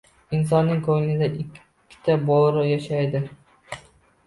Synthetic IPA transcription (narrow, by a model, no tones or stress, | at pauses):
ɪns̬ɒnːɪŋkʰɵŋnɪd̪aʔɪkʲʰː | ɪ̥t̪ʰabolˠɾʊjaʃajd̪ɪ